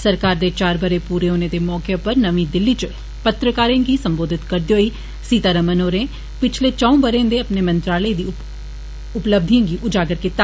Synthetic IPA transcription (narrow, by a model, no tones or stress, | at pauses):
sɐɾkaːɾd̪et͡ʃaːɾbəɾepuːɾeɦoːnẽd̪emɔːkepəɾnɐʋĩd̪ɪlːit͡ʃə | pət̪ɾəkaːɾẽɡisə̃mboːd̪ʱɪt̪kɐɾd̪iɦoːi | siːt̪aːɾəmənoːɾẽ | pɪt͡ʃʰlet͡ʃaːõːbəɾẽd̪eɐpnemə̃nt̪ɾaːləid̪iː | ʊpləb̚d̪ʱiãːɡiʔʊd͡ʒaːɡəɾket̪ːa